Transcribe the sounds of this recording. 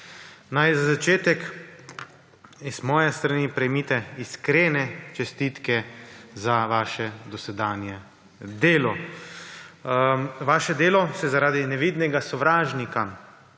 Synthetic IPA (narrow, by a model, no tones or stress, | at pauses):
najzazat͡ʃeːt̪ɛk | iz̥mɔːjɛst̪ɾanipɾɛjmit̪ɛiskɾeːnɛt͡ʃɛst̪it̪kɛzaʋaːʃɛd̪ɔsɛd̪aːnjɛ | d̪eːlɔ | ʋaːʃɛd̪eːlɔsɛzaɾaːd̪inɛʋiːd̪nɛɡasɔʋɾaːʒnika